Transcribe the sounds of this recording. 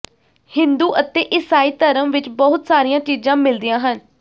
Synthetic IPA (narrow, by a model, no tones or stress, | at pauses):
hɪnd̪uːʔət̪eːʔɪsaːiːt̪əɾəmʋɪt͡ʃbɔɦʊt̪saːɾijãːt͡ʃiːd͡ʒãːmɪld̪ɪjãːɦən